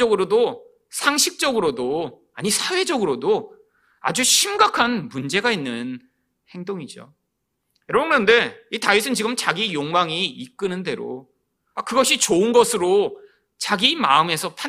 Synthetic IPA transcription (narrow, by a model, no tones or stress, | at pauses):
ʌɡɯɾodo | sʰaŋɕʰik̚t͡ɕ͈ʌɡɯɾodo | aɲisʰawe̞d͡ʑʌɡɯɾodo | a̰d͡ʑuɕʰimɡakʰanmund͡ʑe̞ɡainːɯn | he̞ŋdoŋid͡ʑo̰ | jʌɾʌbŋnʌnde̞itaisʰɯnt͡ɕiɡɯmt͡ɕaɡijoŋmaŋiːk͈ɯnɯnde̞ɾo̰ | akɯɡʌɕʰit͡ɕoɯnɡʌsʰɯɾo | t͡ɕaɡimaɯme̞sʰʌpʰa